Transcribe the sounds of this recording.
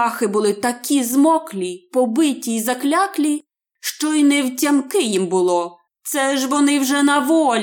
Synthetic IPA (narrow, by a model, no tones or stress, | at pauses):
ɑxɪbʊlˠɪt̪ɐkʲʰizmɔklʲipɔbɪtʲiːzɐklʲɑklʲi | ʃt͡ʃɔinɛwtʲɐmkɪjimbʊlˠɔ | t̪sɛʒʋɔnɪwʒɛnɐʋɔlʲ